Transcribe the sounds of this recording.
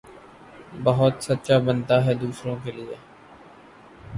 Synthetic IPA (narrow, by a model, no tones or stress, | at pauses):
bəɦʊt̪sətːʃaːbənd̪aːɦɛːd̪uːsɾõːkeːlɪḛː